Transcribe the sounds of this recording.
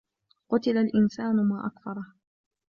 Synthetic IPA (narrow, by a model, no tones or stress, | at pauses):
qʊt̪ɪlalʔɪnsaːnʊmaːʔakfɑɾˤɑh